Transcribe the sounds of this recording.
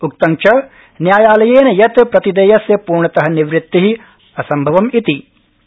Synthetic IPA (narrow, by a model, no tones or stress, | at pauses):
uk̚t̪ɐŋt͡ʃʰɐ | njaːjaːlɐjeːnɐjɐt̪pɾɐt̪id̪ɐjɐsjɐpuːɾɳɐt̪ɐɦɐniʋɾɪt̪ːiɦi | ɐsɐmbʱɐʋɐmit̪i